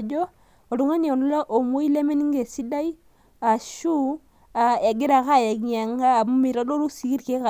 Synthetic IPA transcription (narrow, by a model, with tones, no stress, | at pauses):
d͡ʒo˦ | o˨ɾu˨ŋa˦ni˨o˨nu˦la˦ʔo˨mo˦i˦le˦me˦ni˦ŋɡe˨si˦da˦i˦ | a˨ʃu˦ | a˨e˨ɡi˦ɾa˨ka˦˨je˨ɡi˨ɲa˨ŋ˦ɡa˦˨mu˦mi˨ɾa˦do˦ɾu˦si˨ki˦ɾke˦ka˨